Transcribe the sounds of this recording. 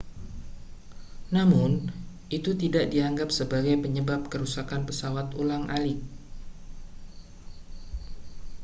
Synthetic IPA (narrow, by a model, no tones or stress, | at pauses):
namʊn | ʔit̪ut̪idaʔdiaŋɡapsəbaɡajpəɲəbap̚kəɾusakanpəsawat̪ulaŋʔalɪk̚